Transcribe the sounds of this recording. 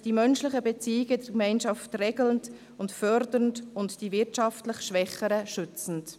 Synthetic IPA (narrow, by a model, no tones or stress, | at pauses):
d̥imœnʃlɪχəbɛt͡siːɪɡədɛkmɛɪnʃɑftrɛːɡlənd | ʊntfœɾdəɾntʊntd̥ivɪɾtʃɑftlɪχʃʋɛχəɾəʃʏt͡sn̩t